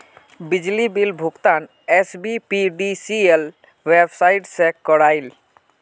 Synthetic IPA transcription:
bid͡ʒlibilbʱukt̪an | esbipiɖisiel | webʱsaiʈsekɔɾajl

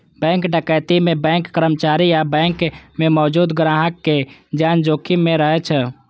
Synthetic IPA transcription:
bɛ̃ːŋkɖəkəːt̪imẽbɛ̃ːŋkːəɾəmt͡ʃaːɾijabɛ̃ːŋkmẽmɔːd͡ʒuːd̪ɡɾãːɦəkːed͡ʒaːnd͡ʒoːkʰimẽɾəɦet͡ʃʰə

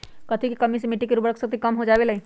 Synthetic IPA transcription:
kɐt̪ʰikikɐmisemɪʈikiɾuːbɾəkʰsəkt̪ʰikɐmɦod͡ʒaːʋelɐi

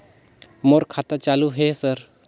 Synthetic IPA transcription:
moɾkʰaːt̪at͡ʃaːluɦesəɾ

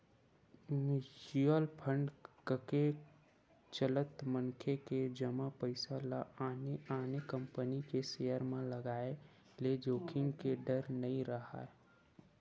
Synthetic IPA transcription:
mɪd͡ʒuəlpʰə̃ɳɖkəke | t͡ʃələt̪məŋkʰeked͡ʒəmapəɪsalaːneaːnekə̃mpənikesejəɾmẽləɡaːe | led͡ʒoːkʰɪ̃ŋɡkeɖəɾnəĩɾəɦa̰ːe

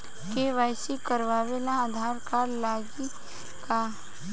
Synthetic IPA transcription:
keʋajsikəɾʋaːʋelãəd̪ʱaːɾkaɾlaɡi | ka

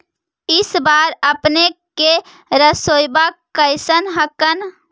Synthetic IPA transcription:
ɪsbaːɾəpneke | ɾəsojbakəɪsənɦəkən

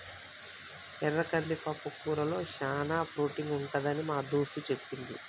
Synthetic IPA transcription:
ɛɾːɐkɐlːipɐpːukːuːɾɐlo̞ːʃaːnaːpɾuːʈiŋɡuɳʈɐd̪ɐnimaːd̪uːʂt̪ut͡ʃe̞pːind̪i

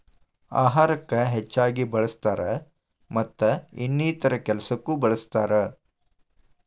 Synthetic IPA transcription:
a̰ːɦaːɾɐkːɐɦet͡ʃːaːɡibɐɭɐst̪aːɾɐ | mɐt̪ːɐinːiːt̪ɐɾɐkɛlɐsɐkːubɐɭɐst̪aːɾɐ

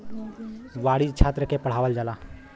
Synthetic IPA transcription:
ʋaɽid͡ʒt͡ʃʰat̪ɾəkepəɽ̤aːʋəld͡ʒala

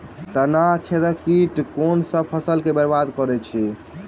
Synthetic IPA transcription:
t̪ənat͡ʃʰed̪əkiʈkonsəb̚pʰəsəlkebəɾbad̪kəɾɛt͡ʃʰi

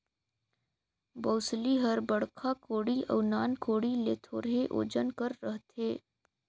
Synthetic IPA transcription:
boːsliɦəɾbəɽkʰakoːɽiə̰ːnaːnkʰoːɽileːt̪ʰo̰ːɾɦeʔo̰ːd͡ʒənkəɾːəɦt̪ʰeː

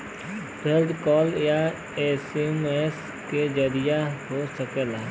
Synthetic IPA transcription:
pʰeld̪kɔːlja | eːsemes | ked͡ʒəɾɪjaɦosəkela

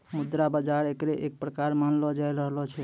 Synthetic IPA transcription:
mud̪ɾabəd͡ʒaɾekɾeʔek̚pɾəkaɾmanlɔd͡ʒajɾəɦlɔt͡ʃʰɛ

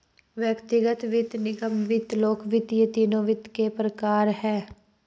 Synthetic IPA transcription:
ʋjəkt̪ɪɡət̪ʋɪt̪nɪɡəmʋɪt̪loːkʋɪt̪jət̪iːnõːʋɪt̪kepɾəkaːɾɦɛː

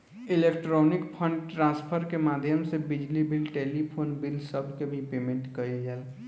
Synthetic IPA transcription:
ilekʈɾɔnɪkpʰə̃ɳɖʈɾãspʰəɾkemad̪ʱjəmsebid͡ʒlibilʈelipʰoːnbilsəbʱkebʱipemẽɳʈkəid͡ʒɛːl

